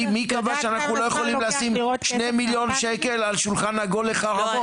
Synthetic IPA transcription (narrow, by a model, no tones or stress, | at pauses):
mikavaʃeanaχnulo̞jeχolimmleasimʃnemiljo̞nʃekelalʃulχanhaɡolːeχaʁa